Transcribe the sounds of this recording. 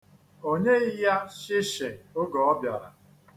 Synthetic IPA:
o˦ɲe˦i˦ja˦ʃɪ˦ʃe˨o˦ɡɔ˨ɔ˦bja˨ɾa̰˨

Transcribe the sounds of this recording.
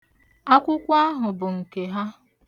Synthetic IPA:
a˦kʷʊ˦kʷa˦ɦʊ˨bʊ˨ŋ̩˨ke˨ɦa˦

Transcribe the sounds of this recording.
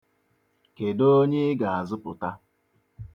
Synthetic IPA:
ke˨do˦ɲe˦ɪ˦ɡa˨a˨zʊ˦pʊ˨ta˦

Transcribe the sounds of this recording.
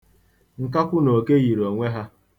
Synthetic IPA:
ŋ̩˨ka˦kʷʊ˦no˨ke˦ɣi˨ɾo˨ŋʷe˦ɦa˦

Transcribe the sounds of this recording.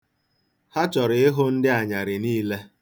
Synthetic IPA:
ha˦t͡ʃɔ˨ɾɪ˨ɪ˦ɦʊ˦n̩˦dɪ˦a˨ɲa˨ɾɪ˨niː˦le˦

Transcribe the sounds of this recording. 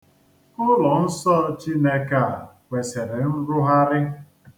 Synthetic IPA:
ʊ˦lɔ˨n̩˦sɔ˦t͡ʃi˦ne˦ka˦˨kʷe˨se˨ɾe˨n̩˦ɾʊ˦ɦa˦ɾɪ˦

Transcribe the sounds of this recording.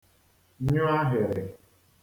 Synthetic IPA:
ɲʊ˦a˦ɦɪ˨ɾɪ˨

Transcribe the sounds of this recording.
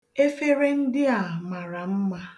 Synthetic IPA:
e˦fe˦ɾe˦n̩˦dɪ˦a˨ma˨ɾa˨m̩˦ma˦

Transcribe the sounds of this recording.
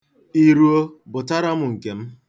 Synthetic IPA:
i˨ɾu˨o˦bʊ˨ta˦ɾa˦mʊ˨ŋ̩˨ke˨m̩˦

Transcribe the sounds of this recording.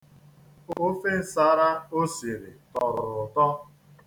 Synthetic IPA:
o˦fe˦n̩˨sa˦ɾa˦o˦si˨ɾḭ˨tɔ˨ɾʊ̰˨ɾʊ˨tɔ˦

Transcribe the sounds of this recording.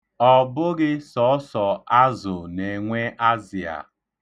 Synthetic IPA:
ɔ˨bʊ˦ɣɪ˦sɔ˨˦sɔ˨a˦zʊ˨ne˨ŋʷe˦ʔa˦zi˨a̰˨

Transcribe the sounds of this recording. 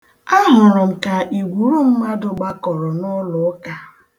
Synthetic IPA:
a˦ɦʊ˨ɾʊ˨m̩˨ka˨ʔi˨ɡʷu˨ɾu˦m̩˦ma˦dʊ˨ɡ͡ba˦kɔ˨ɾɔ˨nʊ˦lʊ˨˦ka˨

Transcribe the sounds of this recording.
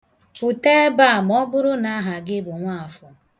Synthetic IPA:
ʊ˨teː˦ba˦˨m˨ɔ˦bʊ˦ɾʊ˦na˦ɦa˨ɡɪ˦bʊ˨ŋʷa˦˨a˨fʊ˨

